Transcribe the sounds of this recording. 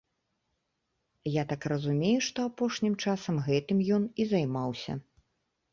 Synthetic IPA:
jat̪akrɐzumʲejuʂt̪ɔapɔʂnʲimt͡ʂasɐmɣɛt̪ɨmjɔnizajmawsʲɐ̰

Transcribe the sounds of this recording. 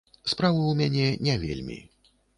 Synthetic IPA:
spɾavɨwmʲanʲɛnʲɛvʲḛlʲmʲḭ

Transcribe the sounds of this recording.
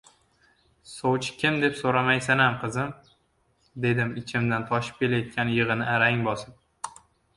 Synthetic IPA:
sowt͡ʃʰɪ̥kʲʰɪmd̪e̞psoɾamajsanamqʰɨzɪm | d̪e̞d̪ɪmɪt͡ʃʰɪmd̪ant̪ʰɒʃɪ̥p̚kʲʰe̞lajɒt̪̚kʲanjɨʁɨnɪaɾaŋbɒsɪp̚

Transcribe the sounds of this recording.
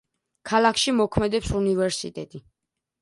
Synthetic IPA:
kʰalˠakʰʃimɔkʰmɛd̪ɛpsunivɛɾsḭt̪ʼɛt̪ʼi

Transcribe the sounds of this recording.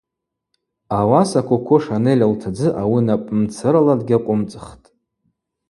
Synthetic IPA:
awasakʷʊkʷʰʊʂanelʲaltʰad͡zɨʔawinapʼmt͡sʰɨɾaladɡʲaqʷʼʊmt͡sʼɨχtʼ

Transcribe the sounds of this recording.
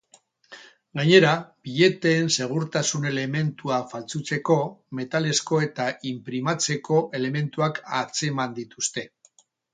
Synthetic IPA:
ɡaɲe̞ɾab̥iʎe̞t̪eːnse̞ɣ̞uɾt̪asune̞le̞me̞nt̪uafalt͡sut͡se̞ko̞me̞t̪ale̞sko̞e̞t̪aimpɾimat͡se̞ko̞ʔe̞le̞me̞nt̪uakat͡se̞mand̪it̪ust̪e̞

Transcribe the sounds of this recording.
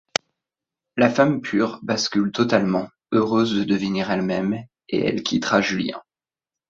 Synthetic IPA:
lafampʰyʁbaskʲylt̪ɔt̪almɑ̃ | øʁøzd̪əd̪əvəniʁɛlmɛm | ḛɛ̰lkʲʰit̪χaʒyljɛ̰̃

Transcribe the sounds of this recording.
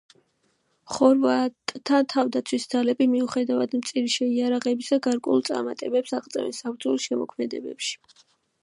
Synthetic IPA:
χɔɾvat̪ʼt̪ʰat̪ʰavd̪at̪sʰwisd̪zalɛbimiuχɛd̪avad̪mt̪sʼiɾiʃɛiaɾaʁɛbisaɡaɾkʼɛ̰ulˠt̪sʼa̰ɾmat̪ʼɛbɛpsaʁt̪sʼɛ̰vɛ̰nsapʰɾd̪zʼɔlisʃɛmɔ̰kʰmɛd̪ɛ̰bɛ̰pʃi̥

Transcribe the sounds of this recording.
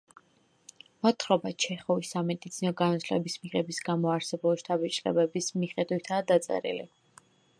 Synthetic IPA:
mat̪ʰχɾɔbat͡ʃʰɛχɔvisːamɛd̪it̪sʰinɔɡanɔt̪ʰlɛ̰bismiʁɛbisɡamɔaɾsɛbuliʃt̪ʼabit͡ʃʼlɛ̰bɛbismiχɛd̪wit̪ʰaːd̪at̪sʼɛ̰ɾḭlḭ

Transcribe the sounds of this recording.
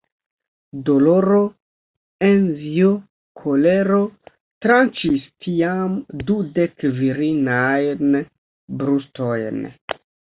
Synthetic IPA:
do̞lo̞ɾo̞ | enzio | kʰoleɾo̞ | tɾant͡ʃistʰiamdude̞kviɾinajn | bɾusto̞jn

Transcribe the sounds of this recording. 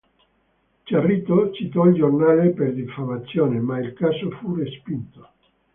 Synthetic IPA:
t͡ʃarit̪ot͡ʃit̪ɔild͡ʒornaːleperd̪ifamat̪sjoːnemailkasofurespint̪o̥

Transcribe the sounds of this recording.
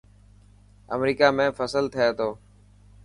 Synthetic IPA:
ə̰mɾiːkaːmẽːfəsəlt̪ʰɪjeːt̪ʰoː

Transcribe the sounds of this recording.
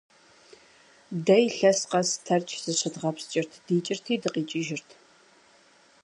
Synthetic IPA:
dɐjɬɐsqɐstʰɐrt͡ʃʼʰz̥ɨɕɪdʁɐpst͡ʃʼɪrtʰd̥iːt͡ʃʼɪrtʰiːdɨqʼiːt͡ʃʼɪʒɪrtʰ

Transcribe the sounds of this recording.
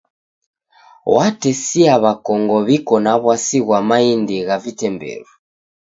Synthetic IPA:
watɛsiaβakɔŋɡɔβikɔnaβwasiɣwamaindiɣavitɛmbɛ̰ɾu

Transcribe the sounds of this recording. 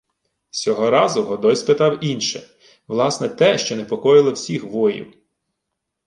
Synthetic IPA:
sʲɔɦɔɾɑzʊɦɔd̪ɔjʲspet̪ɑwinʃɛ | ʋlˠɑsnɛt̪ɛʃt͡ʃɔnepɔkɔjɪlˠɔwsʲixʋɔjḭw

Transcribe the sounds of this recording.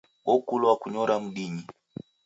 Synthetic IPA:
wɔkulwakuɲɔɾam̩ɗiɲi

